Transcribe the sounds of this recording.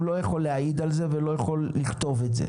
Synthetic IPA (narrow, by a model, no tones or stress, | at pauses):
lo̞jaχo̞lːeaid̪alze̞velo̞jaχo̞lːiχt̪o̞vetzḛ